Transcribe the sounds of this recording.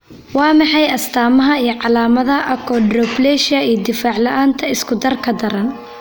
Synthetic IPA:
wɑːmɑħɑjɐst̪ʰaːmɐɦɐijɞʕɑlaːmɐðɐʔɐkʰɔɖrɔblɛːʃɐiːjd̪ɪfaːʕlɐʔaːnt̪ʰɐɪskʰʊd̪ɐrkʰɐd̪ɐɾɐn

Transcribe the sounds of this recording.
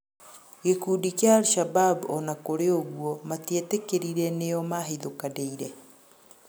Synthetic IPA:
kekudikjaːlʃababɔnakoɾeoɣwɔmatietekeɾiɾɛneɔmaɦiðokadeiɾɛ

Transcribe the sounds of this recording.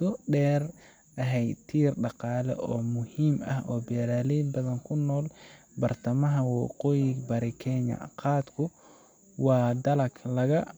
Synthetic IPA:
ʊɖɛːr | ʔɐɦɛjt̪ʰiːrɖɑqɑːlɛ̰ʔɔːmʊhiːmɐhʔɔːbɛːɾaːlibɐðɐŋkʰʊnːɔːl | bɐrt̪ʰɐmɐɦɐwɑqɔjɪɡbɐɾɪkʰɛɲɐ̰qɑːd̪kʰʊ | wɑːd̪ɐlɐklɐɣɐ

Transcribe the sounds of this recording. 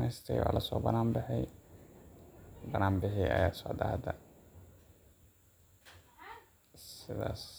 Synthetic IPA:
ɛst̪ʰɛ̰jwa̰ːlɐsɔːbɐnaːmbɪħɛj | bɐnaːmbɪħijɐ̰jaːd̪sɔʕd̪ahɐd̪ɐ | sɪðaːs

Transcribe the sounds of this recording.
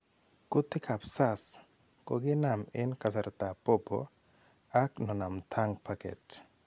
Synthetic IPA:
kut̪ːikʰapsas | ko̰ɡenamenkasaɾt̪apɔbɔ̰ | aknɔnamt̪ʰaŋpʰakḛt

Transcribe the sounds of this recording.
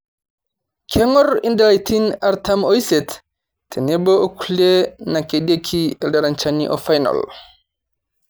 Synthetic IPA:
kʰɛŋɔɾindɛlajtinaɾtamɔjsɛt | tʰːɛnɛbɔkulenakeɗekʰiɛdaɾant͡ʃanḭʔɔ̰fajna̰l

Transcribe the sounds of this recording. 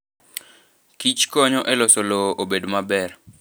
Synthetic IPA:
kit͡ʃkɔɲɔʔɛlɔsoloʔobedmabɛr

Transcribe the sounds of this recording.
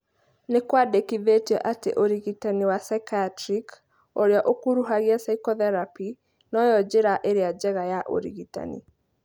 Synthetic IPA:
nekwadekiðetiɛʔatḛʔoɾiɣitaniwasaiktɾik | oɾeaʔokuɾuɦaɣiasaikɔðɛɾapi | nɔjɔd͡ʑeɾaʔeɾead͡ʑɛɣajaʔo̰ɾḭɣita̰nḭ

